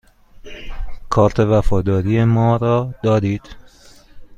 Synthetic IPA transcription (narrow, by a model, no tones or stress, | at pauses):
kʰɒːɾt̪ʰe̞væfɒːd̪ɒːɾije̞mɒːɾɒːd̪̥ɒːd̪iːd̪̥